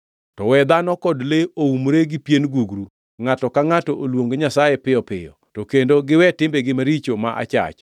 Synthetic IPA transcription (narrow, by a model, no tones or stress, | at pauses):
tɔwɛd̪anɔkɔdleoumɾeɡɪpjenɡuɡɾu | ŋatɔkaŋatɔʔolwoŋɡoɲasajepɪjɔpɪ̰jɔ̰ | tokendoɡɪwɛtɪmbeɡɪmaɾit͡ʃomaʔa̰t͡ʃa̰t͡ʃ